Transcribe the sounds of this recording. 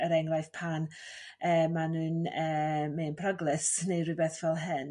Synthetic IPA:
əɾɛŋrajθpʰan | əːmanɨːnəːmeːnpʰrɔɡlˠɪsnejrɨbɛθvɛlˠɦɨn

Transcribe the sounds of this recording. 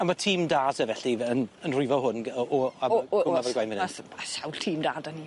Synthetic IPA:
amatʰiːmdaːsɛvɛɬiənənrʊɨvɔɦʊnɔaɡʊavɔrɡwajnmɪnasawltʰiːmdaːdani

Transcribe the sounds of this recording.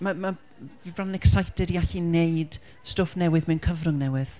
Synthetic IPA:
mama | vibranɛksajtʰɛdiaɬinejd̥ | stoːfnɛwɨðmɛwnkʰəvrʊŋnɛwɨð̥

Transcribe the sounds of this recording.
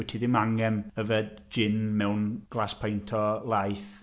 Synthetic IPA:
ɪtʰiðɪmaŋɛməvɛdd͡ʒɪnmɛwnɡ̥lˠaspʰajntʰɔlˠajθ

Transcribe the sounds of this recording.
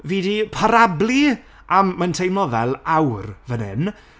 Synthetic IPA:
viːdipʰaɾablˠi | ʔamːantʰejmlˠɔðɛlˠawrvənɪ̰n

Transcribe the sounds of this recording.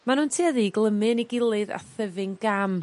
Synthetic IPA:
manuːntʰiːaðiɡlˠəmɨniɡɪlˠɨða̰θəvɪŋɡam

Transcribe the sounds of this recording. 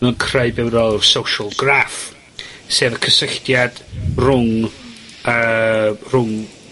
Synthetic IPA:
ɛnkʰrajbɛwɾɔlˠrsowʃəlˠɡraf | seːvəkʰəsɪɬdjad̥rʊŋ | ərʊŋ

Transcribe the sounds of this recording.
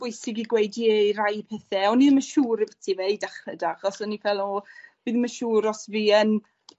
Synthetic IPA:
b̥ʊjsɪɡiɡwejdierajpʰɛθɛɔniðəməʃuːɾivətʰivejdaχədaχɔsɔnifɛlˠɔb̥iːðməʃuːɾɔsviːən

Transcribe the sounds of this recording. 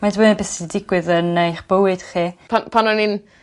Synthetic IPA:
madwɪnəbɛsidɪɡwɨðənejχb̥əwɨd̥χiːpʰanpʰanɔnin

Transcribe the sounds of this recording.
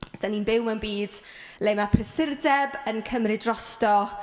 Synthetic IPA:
d̥aniːnbɪwmanbiːd̥ | lemapʰrɛsɪrdɛbənkʰəmrɪdrɔstɔ

